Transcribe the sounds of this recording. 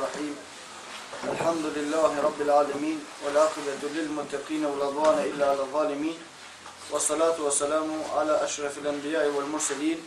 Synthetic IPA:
ɑħiːm | ʔalħamd̪ʊlɪlːaːhɪɾˤɑbːɪlʕaːlamiːnwalʕaːqɪbalɪlmʊt̪ːɑqiːnawalɑd̪ˤwɑːnaʔɪlːaːʕalɑðˤːɑːlɪmiːn | wɑsˤːɑlaːt̪wasːalaːmʕalaːʔaʃɾˤɑfalʔambɪjaːʔɪwalmʊɾsaliːn

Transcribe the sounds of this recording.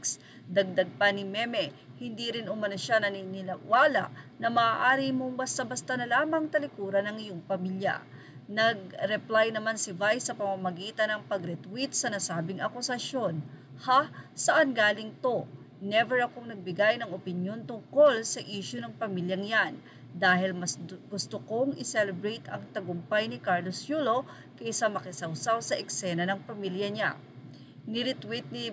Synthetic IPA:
s | d̪ɐɡ̚d̪ɐɡ̚pɐnɪmɛmɛ | hɪnd̪iɾɪnʔʊmɐnoʃanɐninɪlɐwaːlɐ̰ʔnɐmɐːʔaːɾimoŋbɐst̪abɐst̪ɐnɐlaːmɐŋt̪ɐlɪkuːɾɐnɐŋɪjoŋpɐmiljɐ̰ | nɐɡ̚ɾɛplajnɐmansɪvajsɐpɐmamɐɡiːt̪ɐnɐŋpɐɡɾɛt̪wit̪̚sɐnɐsaːbɪŋʔɐkʊsɐʃo̞nhasɐʔanɡaːlɪŋt̪o̞ | nɛvɛɹɐkoŋnɐɡ̚bɪɡajnɐŋopɪnjo̞nt̪ʊŋko̞lsɐʔiːʃʊnɐŋpɐmiljɐŋjan | d̪aːhɪlmɐsɡ̥ʊst̪oko̞ŋɪsɛlɛbɾɛjt̪ɐŋt̪ɐɡʊmpajnɪkaɹlosjuːlo̞ | kɐɪsamɐkɪsɐwsawsɐʔɛksɛnɐnɐŋpɐmiljɐɲa̰ | nɪɾɪt̪wit̪̚nɪ

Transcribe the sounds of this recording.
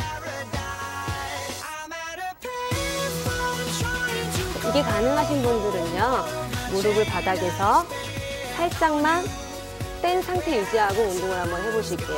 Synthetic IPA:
iɡe̞kanɯŋɦaɕ̬ʰinbundɯɾɯnʌmoɾɯɡɯɭpadaɡe̞sʰʌ | hʰaɭs͈aŋman | t͈e̞nsʰaŋtʰe̞id͡ʑiɦaɡoundoŋɯɭɦambʌnɦe̞boɕʰuit͈ejo

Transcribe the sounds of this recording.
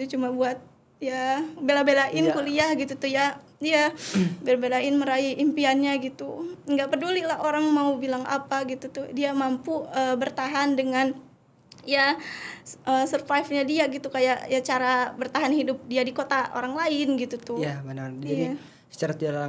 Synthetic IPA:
t̪ut͡ʃumabuat̪̚ | jabelabelaʔɪnkuliahɡit̪ut̪ʊhja | iabelabelaɪnməɾaiʔimpianɲaɡit̪uŋɡaʔpərdulilahoɾaŋmaubilaŋʔa̰paɡit̪ut̪ʊhdiamampuəːbərt̪aɦandəŋan | ja | ʔəsərfaifɲadiaɡit̪ukajaʔjat͡ʃaɾabərt̪aɦanhidʊp̚diadikot̪aʔo̰ɾaŋlaɪnɡit̪ut̪ʊjabənad͡ʒai | sə̥t͡ʃaɾat̪ial

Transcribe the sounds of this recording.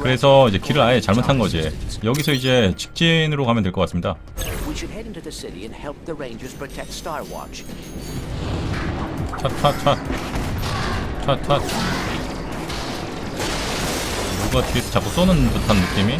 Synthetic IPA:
kɯɾe̞sʰʌid͡ʑe̞kiɾɯɾaet͡ɕaɭmotʰanɡʌd͡ʑijʌɡisʰʌid͡ʑe̞t͡ɕi̥k̚t͡ɕ͈inɯɾokamjʌnt̬eɭk͈ʌk͈as͈ɯmɲida | wiʃɨɾɛɾɪ̃ntʉðɨsɪɾḭɨ̃nhɛlˠp̚ðɨɹẽɪ̃nd͡ʒə˞z̥pʰɹ̥ɨtʰɛk̚tstaɪwɑ̰t͡ʃ | t͡ɕʰat͡ɕʰat͡ɕʰa | t͡ɕʰatʰa | joɡatʰipt͡ɕak͈os͈onɯnpotʰʌnmuk̚t͈imi

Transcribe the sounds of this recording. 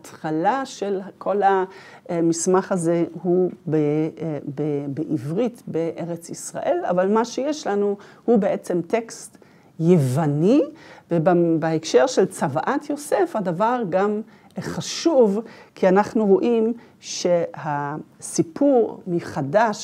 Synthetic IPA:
atχalaʃelkʰo̞la | mismaχazehubebebeʔivʁitbeʔeʁet͡sisʁa̰ʔe̞la̰valmaʃejeʃlanuhubeʔet͡se̞mte̞kst | jevanivebbeekʃe̞ʁʃelt͡savaʔat̪ʰjo̞se̞fhadavaʁɡam | χaʃuvkʰianaχnuʁo̞ʔim | ʃehasipʰuʁmiχadaʃ

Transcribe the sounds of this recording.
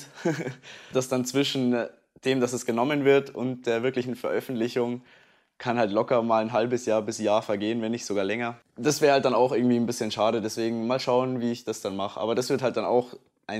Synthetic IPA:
d̥asd̥ant͡sv̥ɪʃn̩ | d̥eːmd̥asɛsɡ̥ənɔmənvɪɐtʊnt̚d̥eːɐvɪɐklɪçn̩fɛɐʔœfn̩tlɪçʊŋ | kʰanhaltlɔkɐmaːlnɦalbəsjaːɐbɪsjaːɐfɛɐɡeːənvɛnɪçtz̥oɡaːɐlɛŋɐ | d̥asv̥ɛːhalt̚d̥anaʊxʔɪɐŋ̩tv̥iːnbɪsçənʃaːɾədɛsv̥eːɡŋ̩maːlʃaʊənviːɪçd̥asd̥anmaχəʔa̰ːbɐdasv̥ɪɐthaltd̥ana̰ʊx | ʔaɪ

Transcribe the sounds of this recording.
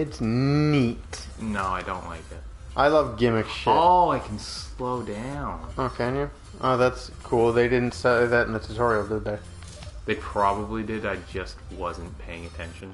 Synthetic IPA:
ɨtsnit | noʊaɪdõ̰ʊ̃nʔla̰ɪk̚ðæt̚ | ʔaɪlʌvɡɪ̃mɨksʃoaɪkʰn̩sloʊdãʊ̃noʊkʰẽnjɨ | ʔoʊðætskʰulˠðeɪdɪdⁿn̩tsɛðɨtn̩ɨtsʰɨtʰɔɹil̩ˠdɨd̪̚ðeɪ | ðeɪpʰɹ̥ɑbəblidɪɾaɪd͡ʒʌst̚wʌzɨ̃npʰeɪɪ̃ŋɨtʰɛ̃nʃɨ̃n

